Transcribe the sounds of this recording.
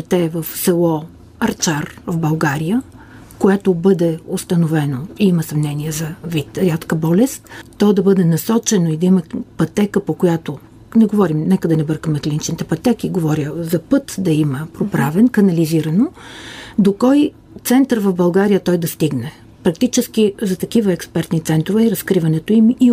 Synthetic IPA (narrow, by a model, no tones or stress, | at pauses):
t̪ɛvəfsɛlˠɔ | ɐɾt͡ʃaɾvbɐlˠɡaɾijə | koɛt̪obɤd̪ɛost̪ɐnovɛnoiiməsɐmnɛniɛzɐvit̪ɾʲat̪kəbɔlɛst̪ːɔd̪ɐbɤd̪ɛnɐsɔt͡ʃɛnoid̪ɐimɐpɐt̪ɛkəpokojat̪o | nɛɡovɔɾimnɛkəd̪ɐnɛbɤɾkəmɛk̪lʲinit͡ʃnit̪ɛpɐt̪ɛkiɡovɔɾjəzɐpɤt̪d̪ɐiməpɾopɾavɛnkɐnɐliziɾɐno | d̪okɔj | t̪sɛnt̪əɾvɐfbɐlˠɡaɾijət̪ɔjd̪ɐst̪iɡnɛ | pɾɐk̚t̪it͡ʃɛsk̟izɐt̪ɐkivəɛkspɛɾt̪nit̪sɛnt̪ɾovɛiɾɐskɾivɐnɛt̪oimi